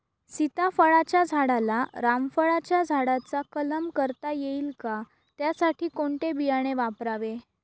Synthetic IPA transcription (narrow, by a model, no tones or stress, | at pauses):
sit̪afəɭat͡ɕjad͡zʱaɽalaɾamfəɭat͡ɕjad͡zʱaɽat͡sakələmkəɾt̪ajeilka | t̪jasaʈʰiːkoɳʈebijaɽ̃eʋapɾaʋe